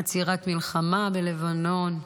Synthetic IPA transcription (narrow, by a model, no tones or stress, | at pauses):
at͡siʁat̪milχamabele̞vano̞n